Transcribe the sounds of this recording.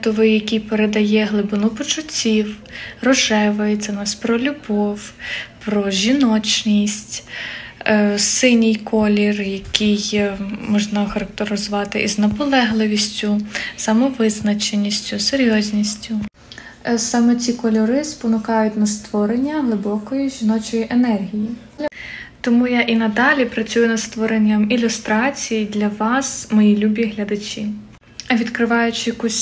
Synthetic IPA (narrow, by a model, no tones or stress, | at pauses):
t̪ɔʋɪjɐkʲijpeɾed̪ɐjɛɦlˠɪbɪnʊpɔt͡ʃʊt͡sʲiwrɔʒɛʋɐjɪt͡sʲsʲɛnɑsʲpɾɔlʲʊbɔwpɾɔʒʲinɔt͡ʃnʲisʲtʲ | sɪnʲijkʰɔlʲirjɐkʲijmɔʒnɐxɐɾɐk̚t̪eɾɪzʊʋɑt̪ɪʔiznɐpɔlˠɛɦlˠɪʋʲisʲtʲʊsɐmɔʋɪznɐt͡ʃenʲːisʲtʲʊseɾʲjɔzʲnʲisʲtʲʊ | sɑmɛt͡sʲikɔlʲɔɾɪspɔnʊkɑjʊtʲnɐst̪ʋɔɾenʲːɐɦlˠɪbɔkɔjiʒʲinɔt͡ʃɔjiʔenɛrɦʲiji | t̪ɔmujaʔinɐd̪ɑlʲipɾɐt͡sʲujʊnɐst̪ʋɔɾenʲːɐmilʲʊst̪ɾɑt͡sʲijid̪lʲɐʋɑsmɔjilʲubʲiɦlʲɐd̪ɐt͡ʃʲi | ɐʋʲid̪kɾɪʋɑjʊt͡ʃɪjɐkusʲ